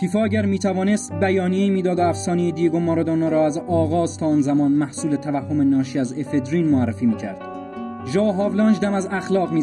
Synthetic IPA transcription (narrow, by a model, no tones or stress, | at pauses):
fiːfɒːæɟæɾmiːt̪ʰævɒːne̞st̪̚bæjɒːnijeiːmiːd̪ɒːd̪æfsɒːnejid̪ijeɡomːɒːɾɒd̪onɑːɾɒːæzɒːɣɒːzt̪ʰɒːnzæmɒːnmæhsuːlet̪ʰævæhːo̞me̞nɒːʃiːæzefed̪ɾiːnmoærːefiːmiːcʰæ̰ɾd̪̥ | ʒɒːɦɒːvlɒːnd͡ʒd̪æmæzæxlɒːɣmiː